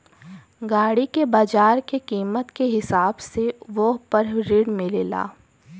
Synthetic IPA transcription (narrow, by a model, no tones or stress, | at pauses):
ɡaːɽikebaːd͡ʒaːɾkekiːmət̪keɦɪsaːbseʋoɦpɐɾɾɪɽmɪleːla̰ː